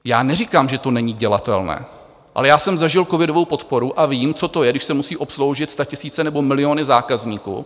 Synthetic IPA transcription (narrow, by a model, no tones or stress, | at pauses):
jaːnɛriːkaːmʒɛt̪o̞nɛɲiɟɛlat̪ɛ̰lnɛ̰ː | ʔa̰lɛjaːsɛmzaʒɪlkovɪdovo̞wpo̞t̪po̞ɾuʔaviːmt͡so̞t̪o̞jɛɡdɪʃsɛmusiːʔo̞pslo̞wʒɪt̪st̪acɪsiːt͡sɛnɛbo̞mɪlɪo̞nɪzaːkazɲiːkṵː